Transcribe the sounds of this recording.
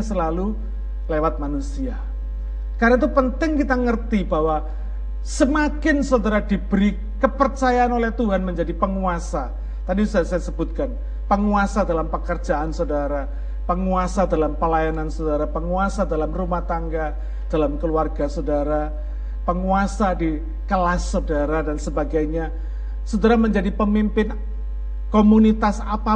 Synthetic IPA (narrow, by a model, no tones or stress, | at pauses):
səlalu | lewat̪̚manusia | kaɾait̪upənt̪ɪŋkit̪aŋərt̪ibawa | səmakɪnsowdəɾadibəɾi | kəpərt͡ʃajaanolɛht̪uɦanməɲd͡ʒadipəŋuasa | t̪adisasajasəbut̪̚kan | pəŋuasadalampəkərd͡ʒaʔansodaɾa | pəŋuasadalampəlajanansodaɾapəŋuasadalamrumaht̪aŋɡa | d̥alamkəluarɡasodaɾa | pəŋuasadi | kəlasːodaɾadansəbaɡajɲa | sudaɾaməɲd͡ʒadipəmimpɪn | komunit̪asapa